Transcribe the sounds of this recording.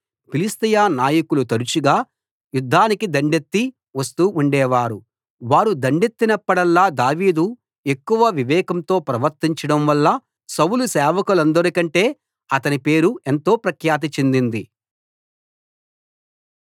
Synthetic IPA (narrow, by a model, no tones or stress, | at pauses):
pilist̪ijaːnaːjɐkulut̪ɐɾut͡ʃuɡaː | jud̪ʱːaːnikid̪ɐɳɖet̪ːi | ʋɐst̪uuɳɖɛːʋaːɾu | ʋaːɾud̪ɐɳɖet̪ːinɐpːɐɽɐlːaːd̪aːʋiːd̪u | e̞kːuʋɐʋiʋɛːkɐmt̪o̞ːpɾɐʋɐɾt̪iɲt͡ʃɐɽɐmʋɐlːɐ | sɐwulusɛːʋɐkulɐnd̪ɐɾikɐɳʈe̞ː | ɐt̪ɐnipe̞ːɾue̞nt̪o̞ːpɾɐkʰjaːt̪̬ɐt͡ʃend̪ind̪i